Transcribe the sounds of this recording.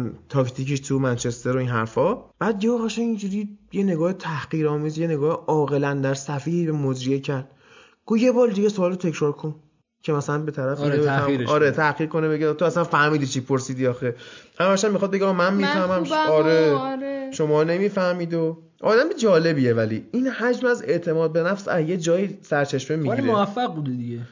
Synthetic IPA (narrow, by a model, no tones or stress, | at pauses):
t̪ʰɒːkt̪ʰikiʃt̪ʰumænt͡ʃʰest̪e̞ɾoiːnɦæɾfɒːb̥æːd̪̚ɡeɡoɣæʃænind͡ʒuɾiːjene̞ɡɒːhet̪ʰæhɢ̥iːɾɒːmiːzjene̞ɡɒːheʔɒːɣe̞lænd̪æɾsæfiːhiːbemod͡ʒɾiecʰæɾd̪̥̚ | ɡ̥uːje̞bɒːɾd̪iɡesoɒːlot̪ʰecɾɒːɾkʰo̞n | cʰe̞mæsælænbe̞t̪ʰæɾæfineeæʔɒːɾet̪ʰæhɡiɾkʰo̞nebe̞ɡet̪ʰoæsænfæhmiːd̪it͡ʃʰiːpʰoɾsiːd̪iɒːxehæmæʃæmmːixɒd̪̚be̞ɟiɒmænmiːfæhmæmɒɾeʃo̞mɒːne̞miːfæhmiːd̪o | ʔɒ̰ːd̪æmid͡ʒɒːle̞biːjevælḭinhæd͡ʒmæze̞ʔt̪ʰe̞mɒːd̪̚be̞næfsæ̰je̞d͡ʒɒːjiːsæɾt͡ʃʰe̞ʃmemiɡiɾeoæfːæɡ̚bud̪ed̪iɟe